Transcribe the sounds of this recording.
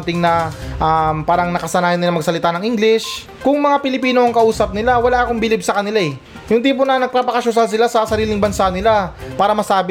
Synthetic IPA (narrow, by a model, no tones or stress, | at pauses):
t̪ɪŋnɐʔampaːɾɐŋnɐkɐsɐnaːjɪnːɪlɐŋmɐɡ̚sɐlɪt̪anɐŋʔiŋɡlɪs | kʊŋmɐŋapɪlɪpiːno̞ɐŋkɐʔuːsɐp̚nɪlawɐlaːʔɐkoŋbɪlɪb̚sɐkɐnɪlaɛ | jʊŋt̪iːp̬onɐnɐɡ̚papɐkɐʃʊs̬alsɪlasɐsɐɾiːlɪŋbɐnsanɪlapaːɾɐmɐsaːbɪ